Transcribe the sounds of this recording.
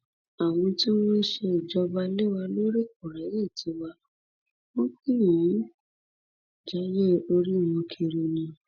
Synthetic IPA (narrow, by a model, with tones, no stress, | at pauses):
a˨w̃ɔ̃˧ti˦w̃ɔ̃˦ʃe˧i˨d͡ʒɔ˧ba˧li˦wa˧lo˦ɾe˦˨k̚o˨ɾa˨˦je˦˨tʰi˨˧˦wa˧ | o˦kĩ˦jĩ˨˦ | d͡ʒa˦je˦o˧ɾi˦˨w̃ɔ̃˧kʰe˧ɾi˧nĩ˧